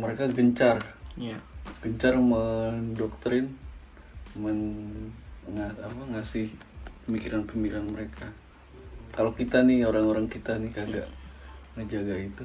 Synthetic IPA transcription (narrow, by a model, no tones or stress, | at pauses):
məɾekaɡəɲt͡ʃar | ɡ̥əɲt͡ʃarməndɔk̚t̪ɾɪn | mən | ŋaapaŋasɪh | pəmikiɾanpəmbiɾanməɾekʰa | kalokit̪anɪhoɾaŋoɾaŋkit̪anɪkaɡaʔŋəd͡ʒaɡait̪u